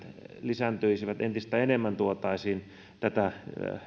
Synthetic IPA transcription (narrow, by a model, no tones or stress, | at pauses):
lisænt̪øisiʋæt̪ent̪ist̪æenemːænt̪uot̪ɑˑisiːn | t̪æt̪æ